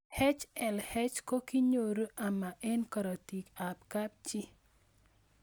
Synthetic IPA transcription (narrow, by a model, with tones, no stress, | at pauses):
hɛ˦t͡ʃɛ˨lhɛ˦t͡ʃko˦ki˦ɲo˨ɾu˦ʔa˨ma˨ʔɛ˦nkɔ˨ɾɔ˨ti˨ka˨p̚ka˦p̚t͡ʃɪ˦